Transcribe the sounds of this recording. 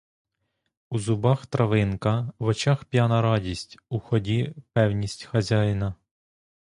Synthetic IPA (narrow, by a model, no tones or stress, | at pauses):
uzʊbɑxt̪ɾɐʋɪnkɐʋɔt͡ʃɑxpʲjanɐɾɑdʲisʲtʲuxɔdʲipɛwnʲisʲtʲxɐzʲajnɐ